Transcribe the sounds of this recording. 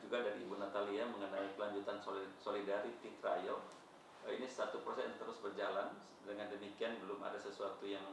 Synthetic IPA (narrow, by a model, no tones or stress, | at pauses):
d͡ʒuɡadaɾiːbunat̪aliaməŋənaikəlaɲd͡ʒut̪anssolidaɾit̪it̪ɾajɔ | inisat̪uprosɛjaŋt̪əɾʊsbərd͡ʒalan | dəŋandəmikianbəlʊma̰dasəsuat̪ujaŋ